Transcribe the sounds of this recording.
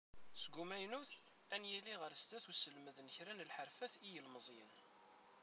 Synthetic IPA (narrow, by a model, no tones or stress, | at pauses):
sɡumæjnuθ | ænjæliʁəɾst̪æθusəlməðnəçɾænəlħəɾfæθijəlməzˤjə̰n